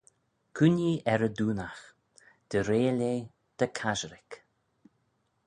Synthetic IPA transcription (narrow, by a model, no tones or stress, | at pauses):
kʰuniʔɛɾəd̪uːnax | d̪̥əɾeːleː | d̪̥əkʰaʒəɾɪk